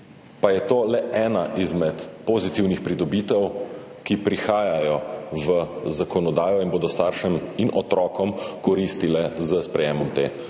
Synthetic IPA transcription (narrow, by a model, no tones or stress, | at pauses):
pajɛt̪oːlɛʔɛːnaʔizmɛt̪poːzit̪iwnixpɾid̪ɔbiːt̪ɛw | kipɾixaːjajɔʋəzakɔnɔd̪aːjɔinboːd̪ɔst̪aːɾʃɛminʔɔt̪ɾɔːkɔmkɔɾist̪ilɛzəspɾɛjɛːmɔmt̪ḛː